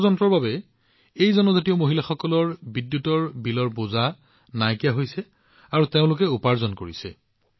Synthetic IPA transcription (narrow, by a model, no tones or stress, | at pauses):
zɔntɹɔɹbabɛ | ejzɔnɔzatiɔmoɦilaxɔkɔlɔɹbidjutɔɹbilɔɹboza | najkijaɦojsɛ | aɹuteʊ̃lʊk̬ɛupaɹzɔnkoɹisɛ̰